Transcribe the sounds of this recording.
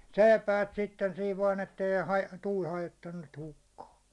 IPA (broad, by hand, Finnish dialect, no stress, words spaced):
seˑi̞pæːt sitːen siːʋ ʋɑːn etːei hɑj tuːl hɑjotːɑnːut niːt hukːɑː